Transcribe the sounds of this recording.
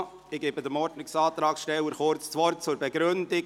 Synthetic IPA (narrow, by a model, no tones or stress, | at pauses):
ɪɡeːbəd̪əmɔɾdnɪksɑːt̪ɾɑːksʃtɛwəɾχʊɾt͡st͡sʋɔɾtt͡sʊɾbɛɡɾɵndɪ